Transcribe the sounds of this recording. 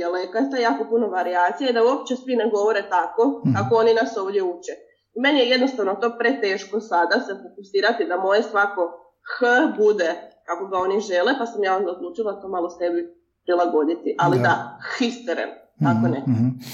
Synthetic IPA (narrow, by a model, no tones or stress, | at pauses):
alekasajaːko̞puno̞ʋaɾiaːt̪sijaid̪auopt͡ʃesʋineɡo̞ʋo̞ɾet̪ako̞kakooninaso̞ːʋdʲjeut͡ʃe | ime̞nijeje̞d̪no̞st̪aʋno̞t̪o̞pɾe̞t̪e̞ːʃko̞sad̪asefokusiːɾat̪id̪amo̞jesʋako̞ | xəbud̪ekako̞ɡao̞niʒe̞lepasamjaːo̞nd̪aod̪luːt͡ʃilˠat̪o̞malo̞st̪e̞bi | pɾilˠaɡo̞d̪it̪iʔalid̪axist̪əɾḛm | akone